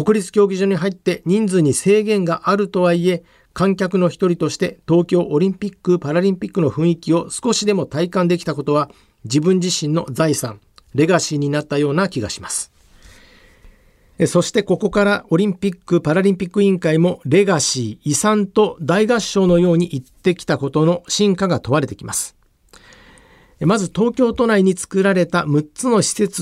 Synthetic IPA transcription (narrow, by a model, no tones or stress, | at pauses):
ko̞kɯ̟ɾʲit͡sɨ̥kʲo̞ːɡʲiʑoːɲ̟iɦait̪ːe̞ɲ̟ĩnd͡zɨɲ̟ise̞ːɡẽ̞ŋɡaʔaɾɯ̟t̪o̞βaie̞ | kãŋkʲakɯ̟no̞çi̥t̪o̞ɾʲit̪o̞ɕi̥t̪e̞t̪o̞ːkʲo̞ːʔo̞ɾʲĩmpʲikːɯ̟paɾaɾʲĩmpʲikːɯno̞ɸɯ̟̃ɰ̃ikʲio̞sɨ̥ko̞ɕid̪e̞mo̞t̪aikãnd̪e̞kʲi̥t̪ako̞t̪o̞βa | d͡ʑibɯ̟̃ɲ̟d͡ʑiɕĩnːo̞d͡zaisã̰ŋ | ɾe̞ɡaɕiːɲ̟inat̪ːajo̞ːnakʲiɡa̰ɕimasɨ̥ | so̞ɕi̥t̪e̞ko̞ko̞kaɾaʔo̞ɾʲĩmpʲikːɯ̟paɾaɾʲĩmpʲikːɯ̟ĩŋkaimo̞ɾe̞ɡaɕiːsãnt̪o̞d̪aiɡaɕːo̞ːno̞jo̞ːɲ̟iʔit̪ːe̞kʲi̥t̪ako̞t̪o̞no̞ɕĩŋkaɡat̪o̞βaɾe̞t̪e̞kʲimasɨ̥ | mazɨt̪o̞ːkʲo̞ːt̪o̞naiɲ̟it͡sɨ̥kɯ̟ɾaɾe̞t̪amɯ̟t͡sɨno̞ɕi̥se̞t͡s